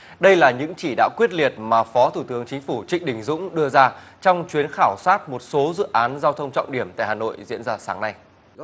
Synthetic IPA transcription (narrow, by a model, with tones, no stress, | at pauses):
ɗə˧jlaː˨˩ɲɨ̰˧˥ŋt͡ɕi˧˩ɗa̰ː˧˥kwi˦˥ət̚li˨˩ət̚maː˨˩fɔ˨˦t̪ʰu˧˩t̪ɨ˨˦əŋt͡ɕï˨˦ŋ̟fu˧˩t͡ɕï˧˨ŋ̟ɗï˨˩ŋ̟zʊ̰˧˥ŋ͡mɗɨ˧əzaː˧t͡ɕɔ˧wŋ͡mt͡ɕwi˨˦ənxaː˧˩wsaː˦˥t̚mo˨˩t̚so˨˦zɨ̰˧˨ʔaː˨˦nzaː˧wt̪ʰə˧wŋ͡mt͡ɕɔ̰˧˨wŋ͡mɗi˧˩əmt̪a̰ː˧˨jɦaː˨˩no̰˧˨jzḭ˧˥ənzaː˧saː˨˦ŋna˧j